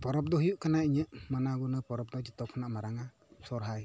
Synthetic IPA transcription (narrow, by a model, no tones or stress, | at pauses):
pɔɾɔp̚dɔhjuʔkanajɲəmanaɡunəpɔɾɔp̚dɔt͡ʃit̪ɔkʰnaʔmaɾaŋa | sɔrɦaj